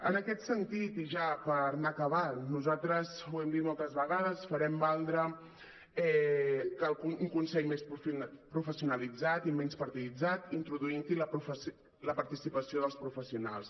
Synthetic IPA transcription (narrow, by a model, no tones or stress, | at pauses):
ə̰nəkɛt̪sənt̪it̪iʒapəɾnakəβannuzalt̪ɾəzuwɛmd̪it̪̚mɔlˠt̪əzβəɣað̞əsfəɾɛmbalˠd̪ɾə | ɛkəlˠkuuŋkunsɛʎmespɾufpɾufəsiunəlid͡zat̪imɛnspəɾt̪iðid͡zat̪int̪ɾuðuint̪iləpɾufəs | ləpəɾt̪isipəsioðəlˠspɾufəsiuna̰lˠs